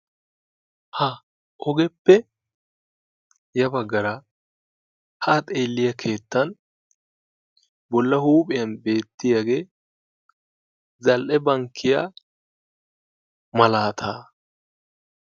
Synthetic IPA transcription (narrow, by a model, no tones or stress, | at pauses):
hɐ | ʔɔɡɛpːɛ | jɐbɐɡːɐɾɐ | hɐːt̪ʼe̞ːlːɪjɐkʰe̞ːt̪ːɐn | bɔlːɐhuːpʼɪjɐnbe̞ːt̪ːɪjaːɡe̞ː | zɐlʔɛbɐŋkʰːɪja̰ | mɐlaːt̪ʰaː